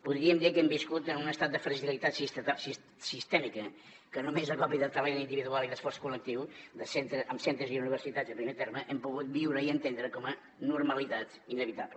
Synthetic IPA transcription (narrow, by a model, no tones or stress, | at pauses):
puðɾiəmd̪ikɛmbiskut̪ənunəst̪at̪̚d̪əfɾəʒilit̪at̪sist̪t̪asi | sist̪ɛmikə | kənumezəkɔpiðət̪ɾəβɛnind̪iβiðualˠiðəsfɔrskulək̚t̪iwd̪əsent̪ɾəʔəmsent̪ɾəziuniβ̞əɾsit̪ad͡zzəpɾimet̪ɛɾməʔɛmpuɣut̪̚biwɾəiənt̪end̪ɾəkɔmə | nuɾməlit̪at̪inəβit̪aplə